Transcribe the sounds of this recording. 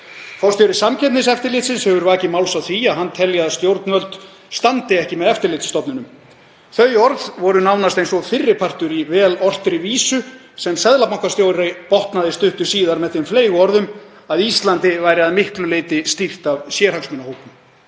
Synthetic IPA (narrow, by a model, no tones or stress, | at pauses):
fawst̪jowɾɪsamcʰɛt̪nɪsɛft̪ɪɾlɪːt̪sɪnshɛvʏɾvaːcɪmawlsawθiaðɦant̪ʰɛljaðast̪jowɾt̪nvœlt̪ | st̪ant̪ɪɛhcɪmɛðɛft̪ɪɾlɪːt̪sst̪ɔpnɪnʏm | θœɥɔɾðvɔɾʏnawnast̪ejnsɔfɪrːɪpʰar̥t̪ʏɾivɛːlɔr̥t̪ɾɪviːsʏ | sɛmsɛðlapmahkvast̪jowɾepɔht̪naðɪst̪ʏht̪ʏ̥siːðaɾmɛðθɪmfleːjɣʏɔɾðʏm | aðist̪lant̪ɪvajɾɪaðmɪhklʏleːjt̪ɪst̪ir̥t̪avsjɛːɾhaksmɪːnahowkʏm